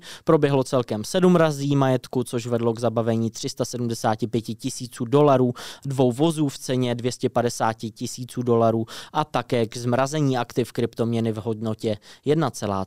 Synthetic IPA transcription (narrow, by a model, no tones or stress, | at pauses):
pɾo̞bjɛɦlo̞t͡sɛlkɛmsɛdumɾaziːmajɛt̪kut͡so̞ʃvɛdlo̞ɡzabavɛɲiːt̪r̥ɪst̪asɛdumdɛsaːcɪpjɛcɪcɪsiːt͡suːdo̞laɾuːdvo̞wvo̞zuːft͡sɛɲɛdvjɛscɛpadɛsaːcɪcɪsiːt͡suːdo̞laɾuːʔat̪akɛːɡzmɾazɛɲiːʔakt̪ɪfkɾɪpt̪o̞mɲɛnɪvɦo̞dno̞cɛjɛdnat͡sɛla̰ː